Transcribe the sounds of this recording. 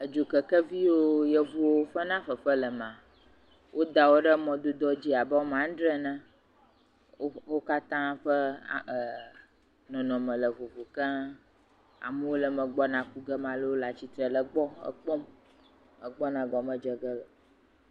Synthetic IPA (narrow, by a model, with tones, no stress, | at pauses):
ə˨d͡ʒo˨kə˨kə˦vi˦wo˦jɛ˦vu˦wo˦ɸə˦nã˦ɸə˨ɸə˦lə˨mã˨ | wʔo˦d̪a˨wo˦ɖə˦mɔ̃˨d̪u˦d̪ɔ˦d͡ʑi˦a˨bə˦o˦mã˦ɖ̪ɾɛ˦nã˦ | wo˦ka˦t̪ã˦ɸə̰˦˨ | nɔ̃˨nɔ̃˨mə̃˨lə˨vo˨vu˨kã˦ | a̰˨mɛ˦wo˦lə˨mə̃˨ɡ͡bɔ˦nã˨ku˦ɡə˦mã˨lə˦wo˦la˨t͡ɕi˦t̪ɾə˨lə˨ɡ͡bɔ˦ə̰˦k͡pɔ˦m | ə˨ɡ͡bɔ˦nã˨ɡɔ˨mə̃˦d͡ʒə˨ɡə˦lə˨